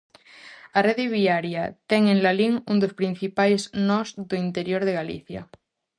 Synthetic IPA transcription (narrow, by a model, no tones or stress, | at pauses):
areðeβiaɾjat̪eŋẽnlaliŋund̪ospɾin̟θipajznɔzðoint̪eɾjoɾð̞eɣalḭθja̰